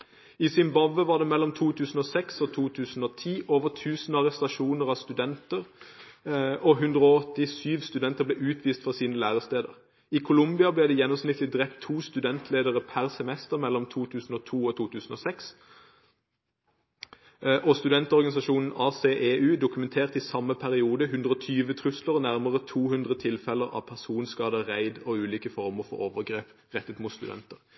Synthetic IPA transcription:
iːsɪmbɑbəʋɑːʁd̪ɛːmɛlːɔmt̪ʰuːt̪ʰʉːsn̩oːsɛksot̪ʰuːt̪ʰʉːsn̩oːt̪ʰiːʔoːʋəʁt̪ʰʉːsn̩ɑʁɛst̪ɑʃuːnəʁɑʋst̪ʉd̪ɛnt̪əʁ | ʔɔɦʉnd̪ʁoːɔt̪ːɪsyːʋst̪ʉd̪ɛnt̪əʁbleːʔʉːt̪ʰʋiːst̪fɔʁsiːnəlæːʁəst̪eːd̪ə̰ʁ | iːkʰʊlʊmbɪɑblɛːd̪ɛːjɛnːɔmsnɪt̪ʰːlɪd̪ʁɛpt̪ʰːuːst̪ʉd̪ɛnt̪ʰleːd̪əʁəpʰæʁsɛmɛst̪əʁmɛlːɔmt̪ʰuːt̪ʰʉːsn̩oːt̪ʰuːoːt̪ʰuːt̪ʰʉːsn̩oːsɛks | ʔɔst̪ʉd̪ɛnt̪ɔʁɡɑnɪsɑʃuːnn̩ɑːseːʔeːʔʉːd̪ʊkʉmɛnt̪ʰeːʁt̪isɑmːəpʰæʁɪuːd̪əɦʉnd̪ʁəɔt̪ʰyːʋət̪ʰʁʉsləʁnæʁməʁət̪ʰuːhʉnd̪ʁət̪ʰɪlfɛləʁɑ̰ːpʰæʁsuːnskɑːd̪əʁæɪd̪oʉːliːkəfɔʁməʁfɔ̰ʁoːʋəʁɡʁeːp | ʁɛt̪ːət̪mʊt̪st̪ʉd̪ɛ̰nt̪əʁ

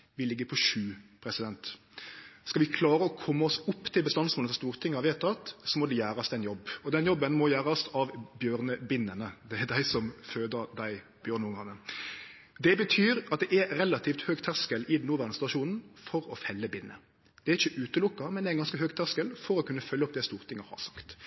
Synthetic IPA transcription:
ʋɪlɪɡːəpʰɔʃʉːpʰɾɛsɪd̪ɛnt̪ | skɑʋɪkʰlɑːɾəɔkʰɔmːəɔsʊpːt̪ʰɪlbəst̪ɑnsmoːləfɔɾst̪uːʁt̪ʰɪŋːhɑʋɪɛt̪ʰɑt̪sɔmɔd̪ɛjæːɾɑst̪ɛnjɔbːɔd̪ɛnjɔbːənmɔjæːɾɑsɑʋbjøːʁnəbɪnːənəd̪ɛæɾd̪æɪsɔmføːd̪əɾd̪æɪ | b̥jøːɾnəʊŋɑnːə | d̪ɛbət̪ʰyːɾɑt̪̚d̪ɛʔɛɾɾɛlɑt̪ʰiːft̪høːɡt̪ʰæʁskəlɪd̪nːʊːʋæɾnəst̪ɑʃuːnn̩fɔɾɔfɛlːəbɪnːə̰ | d̪̥ɛæɾɪçːəʔʉːt̪əlʊkːɑmɛnd̪ɛæɛnɡɑnskəɦøːɡt̪ʰæʁskəlfɔɾɔkʰʉnːəfœlːəɔp̚ːd̪ɛst̪uːɾt̪ʰɪŋːəhɑ̰ɾsɑ̥kt̪

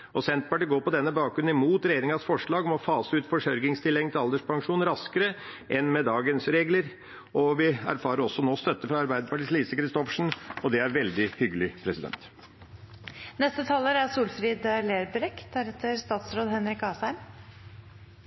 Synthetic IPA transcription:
ɔsɛnt̪̚pɑʈiːɡoːɾpɔd̪ɛnːəbɑːk̚ɡɾʉnɪmuːt̪ɾɛjeːɾɪŋɑsfɔʂɭɑːɡɔmɔfɑːsəʉːt̪fɔʂœɾɡɪŋst̪ʰɪlɛŋt̪ʰɪɑld̪əʂpʰɑŋʂuːnɾɑskəɾə | ʔɛnːmɛd̪ɑːɡənsɾeːɡləɾ | ʔɔʋɪæ̰ɾfɑːɾəɾɔsːɔnoːst̪œt̪ːəfɾɑɑɾbæɪd̪əpɑʈiːsliːsəkɾɪst̪ɔfʂɳ̩ɔd̪ɛæɾʋɛld̪ɪhʏɡəlɪpʰɾɛsɪd̪ɛ̰nt̪ | nɛst̪ət̪ʰɑləɾæsuːlfɾiːd̪leːɾbəɾɛkd̪æɾɛt̪ʰːəɾst̪ɑːt̪sɾoːd̪hɛnɾɪkɑːsæɪm

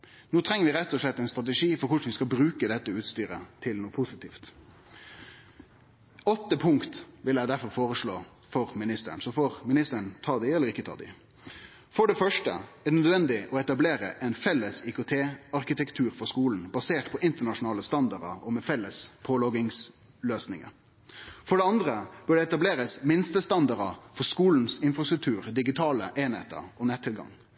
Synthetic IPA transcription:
noːt̪ʰɾɛŋəʋɪɾɛt̪ːɔʂɭɛt̪ːɛɪnst̪ʁɑt̪əʂiːfɔɾkʊʂɳ̩ʋɪskɑlbɾʉːkəd̪ɛt̪ːəʉːt̪st̪yːɾə̰t̪ʰɪlnuːpʰʊsɪt̪ʰiːft̪ | ɔt̪ːəpʰʊŋkt̪ʋɪlæɪd̪æɾfɔɾfoːɾəʂɭoː | fɔɾmɪnɪst̪ə̰ɳsɔfɔɾmɪnɪst̪əəɳt̪ʰɑːd̪ɪɛlːəɾɪkːət̪ʰɑ̰ːd̪ɪ̰ | fɔɖɛfœʂʈə̰æd̪ənœd̪ʋɛnd̪ɪʔɔɛt̪ɑbleːɾə̰ʔɛnfɛlːəsɪkʊt̪ʰeːɑɾkɪt̪ʰɛkt̪ʰʉːɾfɔɾʂkuːln̩bɑseːʈpʰɔʔɪnt̪əɳɑʂʊnɑːləst̪ɑnd̪ɑɾɑ̰ɔmɛfɛlːəspʰoːlɔɡɪŋs | løːsnɪŋə̰ | fɔɖɛɑnd̪ɾəb̥ʉɖɛɛt̪ɑbleːɾəsmɪnst̪əst̪ɑnd̪ɑɾɑfɔɾskuːln̩sɪnfɾɑst̪ɾʉkt̪ʰʉːɾd̪ɪɡɪt̪ʰɑːləʔeːnhḛːt̪ə̰ɾɔnɛt̪ʰːɪlɡɑ̰ŋ

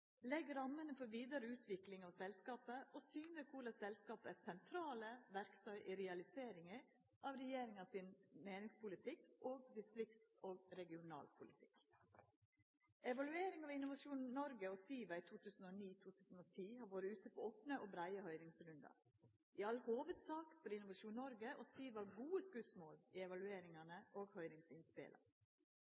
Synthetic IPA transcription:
lɛɡɾɑmːənəfɔʋiːd̪ɑɾəʉːt̪ʰʋɪklɪŋɑʋsɛlskɑːpəʔosyːnəɾkʰʊɭɑsɛlskɑːpəæɾsɛnt̪ʰɾɑːləʋæɾkt̪ʰœʏʔɪɾɛɑlɪseːɾɪŋə | ʔɑʋɾɛjeːɾɪŋɑʋsɪnnæːɾɪŋspʊlɪt̪ʰɪkʔoːɡ̚d̪ɪst̪ɾɪkt̪oːɡɾɛɡɪʊnɑ̰ːlpʰʊlɪt̪ʰɪ̥̰k | ɛʋɑlʉeːɾɪŋɑʋɪnʊʋɑʃuːnnɔɾɡəosiːʋɑɪt̪ʰuːt̪ʰʉːsn̩oːniːt̪ʰuːt̪ʰʉːsn̩oːt̪ʰiːhɑːɾʋoːɾəʉːt̪əpʰɔoːpnəoːbɾæɪəhœʏɾɪŋsɾʉnd̪ɑ̰ | ʔɪɑlːhoːʋəd̪sɑːkfɔɾɪnʊʋɑʃuːnnɔɾɡəʔoːsiːʋɑɡuːəskʉsmoːliːɛʋɑlʉeːɾɪŋɑnəʔoːɡhœʏɾɪŋsɪnspɪ̰lɑ̰

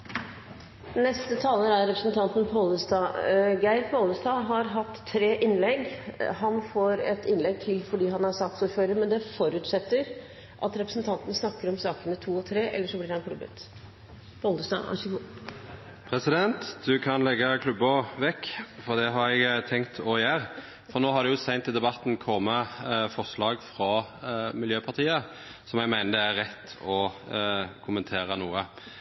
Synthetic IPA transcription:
nɛst̪ət̪ʰɑːləɾæɾɛpɾəsn̩t̪ʰɑnt̪n̩pʰoːləst̪ɑːɡæɪɾpʰɔɔld̪əst̪ɑːɦɑɾɦɑt̪ʰːɾeːʔɪnlɛɡhɑnfoːɾɛ̰t̪ɪnlɛɡ̚t̪ʰɪlfɔɖiːɦɑnæsɑk̚t̪suɾføːɾəɾmɛnd̪ɛfɔɾʉːt̪sɛt̪ːəɾ | ʔɑ̰t̪ɾɛpɾəsən̩t̪ʰɑnt̪n̩snɑkːəɾɔmsɑːkənət̪ʰuːɔt̪ʰɾeːʔɛ̰lːəʂɔblɪɾhɑnkʰlʉbə̰t̪ | bɔld̪əst̪ɑ̰ːɑ̰əku | pʰʁɛsɪd̪ɛnt̪d̪ʉkʰɑnlɛɡːəkʰlʉbəʋɛkːfɔʁd̪ɛɦɑɾɛɡt̪ʰɛŋkt̪ʰɔɪjæːʁ | fɔnoːhɑʁd̪ɛjʊsæɪnt̪ːɪld̪ɛbɑt̪ːn̩kʰɔmːəfɔʁʂlɑːɡfʁɑmɪljøːpʰɑʁt̪ʰiːə | sɔmjæɡmæɪnəd̪ɛæʁʁɛt̪ːɔ | kʰʊmənt̪ʰeːʁənuːə

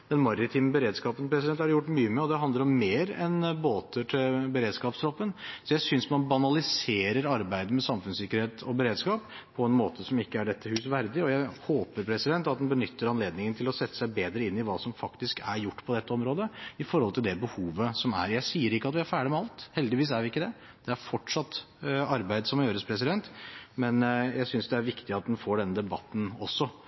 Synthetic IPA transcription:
d̪̥ɛnmɑɾɾɪt̪ʰiːməbəɾeːd̪skɑːpənpʰɾɛsɪd̪ɛnt̪hɑɖjʊʈːmyːəmɛɔd̪ɛɦɑnd̪əɾɔmːeːɾɛ̰nboːt̪ʰəʈʰɪlbəɾeːd̪skɑːpsɾɔpːənsɔjæɪsʏnsmɑnbɑnɑlɪseːɾəɾɑɾbæɪd̪əmɛsɑmfʉnsɪkːəɾheːt̪ʰɔbəɾeːd̪skɑːp | pʰɔɛnmoːt̪ʰəsɔmɪkːəæɖɛt̪ʰːəhʉːsʋæɾd̪ɪɔjæɪhoːpəɾpʰɾɛsɪd̪ɛnt̪ɑt̪d̪ɛnbənʏt̪ːəɾɑnleːd̪nɪŋənt̪ʰɪlɔsɛt̪ːə̥sæɪbeːd̪ɾəɪnːɪʋɑːsɔmfɑkt̪ɪskæɾjʊʈːpʰɔd̪ɛt̪ːəɔmɾoːd̪əɪfɔɾhɔlt̪ʰɪld̪ɛbəhuːʋəsɔmæ̰ɾjæɪsiːəɾɪkːəɑt̪ʋɪæɾfæːɖɪmɛɑlt̪hɛld̪ɪʋiːs̬æɾʋɪɪkːəd̪ɛ | d̪̥ɛæɾfɔʈʂɑt̪ː | ɑɾbæɪd̪əsɔmːɔjøːɾəspʰɾɛsɪd̪ɛnt̪mɛnjæɪsʏnsd̪ɛæɾʋɪkt̪ɪɑt̪̚d̪ɛnfoːɖɛnːəd̪ɛbɑt̪ːn̩ɔsːɔ

